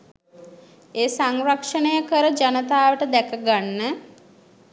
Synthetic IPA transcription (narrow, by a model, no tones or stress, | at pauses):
eːsaŋrakʂənəjəkəɾəd͡ʒanət̪aːʋəʈəd̪ɛkəɡanːə